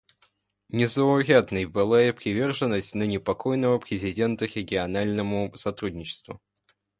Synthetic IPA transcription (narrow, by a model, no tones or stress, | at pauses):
nʲɪzəʊɾʲad̪nəjbɨlˠajəpɾʲɪvʲe̞rʐɨnːəsʲtʲnənʲɪpɐkojnəvəpɾʲɪzʲɪdʲe̞nt̪əɾʲɪɡʲɪɐnalʲnəmʊsɐt̪ɾudʲnʲɪt͡ɕɪ̥st̪vʊ̰